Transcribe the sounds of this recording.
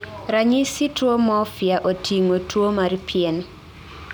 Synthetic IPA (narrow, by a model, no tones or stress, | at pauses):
ɾaɲisitwomɔfjaʔotʰiŋotwomaɾpʰjɛn